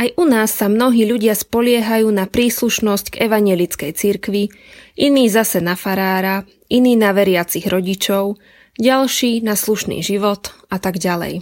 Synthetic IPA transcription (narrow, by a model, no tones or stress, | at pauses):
ajʔunaːsːamnɔɦiːʎuɟɪaspɔʎɪɛɦajuːnapɾiːsluʃnɔscɡɛʋaɲɪɛlit͡skɛjt͡siɾkʋi | ʔiniːzasɛnafaɾaːɾa | ʔiniːnaʋɛɾɪat͡siɣɾɔɟit͡ʃɔʊ | ɟalʃiːnasluʃnḭːʒiʋɔt̪at̪aɡɟalɛ̰j